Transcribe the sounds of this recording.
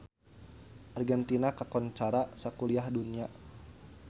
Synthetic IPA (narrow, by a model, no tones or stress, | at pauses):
ʔarɡɛnt̪inakakɔnt͡ʃaɾasakuliahdunia